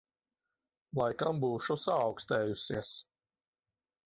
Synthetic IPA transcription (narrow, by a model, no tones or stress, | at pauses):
lˠajkambuːʃusaːwkst̪ɛːjusiɛs